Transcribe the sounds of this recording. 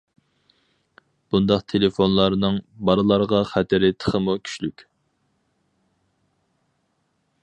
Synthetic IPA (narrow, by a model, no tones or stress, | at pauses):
b̥und̪ɑqt̪ʰelefonlˠɑɾnɨŋbɑɾɨlˠɑɾʁɑχɛt̪ʰɪɾɪt̪ʰə̥χəmukʲʰy̥ʃlykʲ